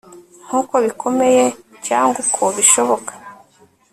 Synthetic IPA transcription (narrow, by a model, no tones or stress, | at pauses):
ŋ̥huːko̞βikʰo̞me̞je̞caːŋɡukʰoβiʃo̞βo̞kḁ